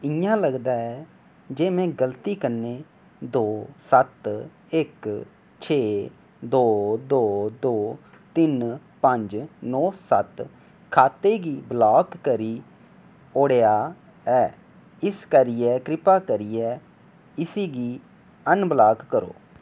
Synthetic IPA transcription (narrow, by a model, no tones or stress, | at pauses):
ɪjãːləɡd̪aːɛː | d͡ʒeːmɛ̃ːɡəlt̪iːkənːeː | d̪oːsət̪ | ɪk | t͡ʃʰeː | d̪oːd̪oːd̪oː | t̪ɪnpəɲd͡ʒnɔːsət̪ | kʰaːt̪eːɡiːblaːkːəɾiː | oːɽeːaː | ɛː | ɪskəɾiɛːkɾɪpaːkəɾiːɛː | ɪsiːɡiː | ənblaːkːəɾo̰ː